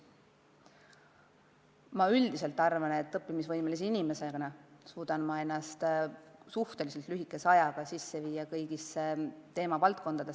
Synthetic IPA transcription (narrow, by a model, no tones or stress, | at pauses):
mɑyld̪̥ise̞lt̪ːˑɑrvɑne̞t̪ːˑɤpːimisvɤjmelisiinime̞se̞ɑnɑsuːd̪̥ɑnmɑe̞nːɑst̪suht̪e̞lise̞lt̪ˑlyɦikːˑe̞sɑjɑɡ̥ɑsisːe̞viːjɑkɤjɡ̥isːt̪e̞ːmɑvɑlt̪̚ko̞nd̪ɑd̪̥es